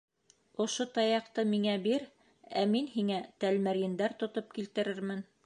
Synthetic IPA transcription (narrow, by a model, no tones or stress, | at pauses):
ŏʃot̪ɑjɑqt̪ɤmiŋæbiɾ | æminhiŋæt̪ælmæɾjɘ̆nd̪æɾt̪ŏt̪op̚kilt̪ɘ̆ɾɘɾmɘn